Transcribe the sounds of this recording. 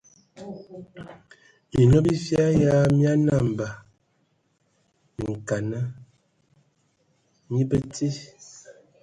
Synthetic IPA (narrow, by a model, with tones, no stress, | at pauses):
i˨no˦bi˦fja˦ja˦mja˦na˦˨mba˨ | ŋ̩˨ka˨na˦ | ɲi˦bə˦ti˦